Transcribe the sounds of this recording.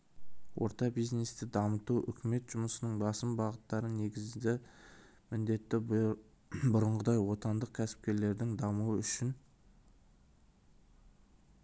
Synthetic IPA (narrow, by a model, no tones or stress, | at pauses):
wʔo̞̰ɾt̪ɑbijzne̞st̪ɪd̪ɑmət̪uʔʏ̰kʲɪme̞t̪ʒ̥ʊməsənəɴbɑsəmbɑʁət̪ːɑɾəne̞ɡʲɪzd̪ɪ | mɪnd̪e̞t̪ːɪ | bʊɾəɴʁəd̪ɑjwo̞t̪ɑnd̪əq̚kʲʰæsɪ̥p̚kʲe̞ɾle̞ɾd̪ɪŋd̪ɑmuəʏʃɪn